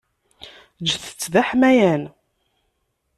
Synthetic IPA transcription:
d͡ʒθə̥t͡sːðæħmæjæn

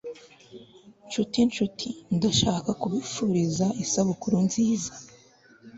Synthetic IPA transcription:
nt͡ʃutint͡ʃutʰindaʃaːkakuβifuɾizaʔisaβukuɾunziːza

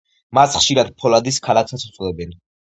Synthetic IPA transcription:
masχʃiɾad̪̚pʰɔlad̪iskʰalaksat̪sʰu̥t̪sʼlɛbɛn

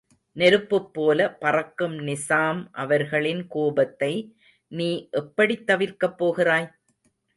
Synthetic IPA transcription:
nɛɾɯpːɯpːoːlɐpɐrɐkːɯmnɪsaːmʔɐʋɐɾɣɐɭɪnkoːbɐt̪ːɐɪ | niːʔɛpːɐɽit̪ːɐʋɪɾkɐpːoːɣɪraːj

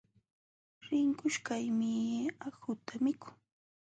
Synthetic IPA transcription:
ɾɪŋkʊʃkajmɪahʊt̪amɪkʊ̥ŋ

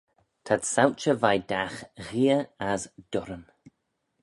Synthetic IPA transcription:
t̪ʰadsawt͡ʃəvajdaxɣiəazd̪̥ʊɾəm

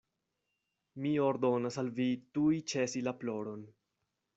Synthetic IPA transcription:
mioɾdo̞nasalvitujt͡ʃe̞silaplo̞ɾo̞n

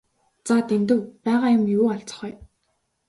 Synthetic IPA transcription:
t͡sat̪emt̪ɘ̆wpæːʁaːjʊmjuːaɮt͡sɞ̥̆χœ̆j

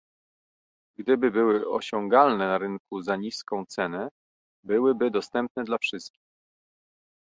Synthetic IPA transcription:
ɡd̪ɘbɘbɘwɘɔ̰ɕɔŋɡalnɛnaɾɘŋkuzaɲiskɔ̃w̃t̪sɛnɛ | bɘwɘbɘd̪ɔst̪ɛmp̚nɛd̪lafʂɘst̪̚kʲi̥x

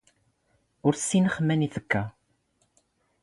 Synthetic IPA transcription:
ʊɾsːinəχmæniθəkːæ

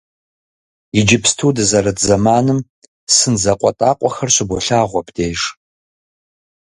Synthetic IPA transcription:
ɪd͡ʒɪpʰstʰuːdɨzɐrɐdzɐmaːnɨm | sɨnzɐqʷʼɔtʼaːqʷʼɔxɐrɕɪbɔɬaːʁʷɔpʰdʰeːʒ

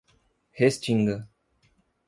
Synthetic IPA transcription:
hest͡ʃiŋɡə

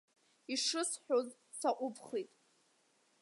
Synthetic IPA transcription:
iʂɨsħᶣoz | saʔʷʼʊpʰχitʼ

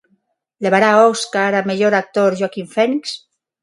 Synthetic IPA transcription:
leβaɾaoskaɾameʎoɾak̚t̪oɾʒwakiɱfɛniks

